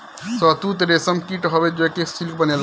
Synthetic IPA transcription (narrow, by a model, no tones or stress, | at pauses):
sɔt̪ut̪ɾesəmkiʈɦɔbed͡ʒokesilk̚bənel